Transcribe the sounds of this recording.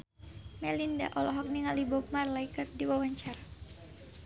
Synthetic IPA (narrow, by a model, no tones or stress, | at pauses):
mɛlinda̰ʔɔlɔɦɔk̚niŋalibɔp̚marlajkərdiwawaɲt͡ʃaɾa